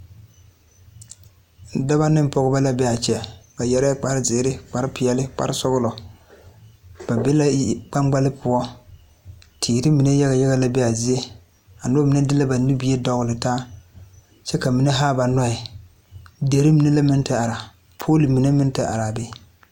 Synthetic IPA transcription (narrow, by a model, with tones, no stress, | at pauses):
da˦ba˦nɪ˦m˦pɔ˨ɣʊ˦ba˦la˦bɛ˦a˨t͡ʃɛ˨ka˨jɛ˦ɾa˦k͡pa˨ɾɪ˦zɪ˨˦ɾɪ˦k͡pa˨ɾɪ˦pɪ˨ɛ˨lɪ˦k͡pa̰˨ɾɪ˦sɔ˦ɣʊ˦lɔ˨ | b̥a˨bɛ˦la˦k͡pa˦mɡ͡ba˦lɪ˦pʰʊ˨ɔ˦ | tʰiː˨ɾɪ˦mi˨ne˦ja˦ɣa˨jɛ˦ɣa˦la˦bɛ˦a˨zi˦e˦ | a˨nʊ˦mi˨ne˦dɪ˦la˦ba˨ni˦bi˦e˦dɔ˨ɣʊ˨lɪ˨taː˦ | t͡ʃɛ˦ka˨mi˨˦ne˦ɦaː˦ba˨nɔ˦ɪ˨ | de˨ɾɪ˦mi˨ne˦la˦mɪ˦ntɪ˦a˨ɾa˨ | pʰo˦li˨mi˨ne˦mɪ˦n˦tɪ˨ʔa̰˨ɾa˨bɛ˦